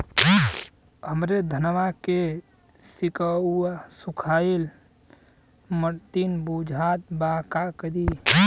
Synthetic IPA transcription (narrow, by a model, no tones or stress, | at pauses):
ɦəmɾed̪ʱənʋake | sikəuasukʰael | məɾt̪inbud͡ʒʱat̪̚bakakəɾi